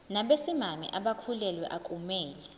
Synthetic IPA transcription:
naɓesimamḭʔaɓakʰulɛlwɛ̰ʔakʼumɛːlɛ

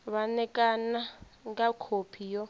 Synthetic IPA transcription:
βanɛkʼanaŋkakʰopʰijɔ

